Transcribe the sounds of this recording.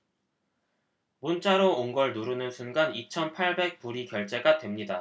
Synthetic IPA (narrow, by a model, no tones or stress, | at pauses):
munt͡ɕ͈aɾoːnɡʌɭnoɾɯnɯnsʰunɡanit͡ɕʰʌnpʰaɭbe̞k̚puɾikjʌɭt͡ɕ͈e̞ɡatwe̞mɲida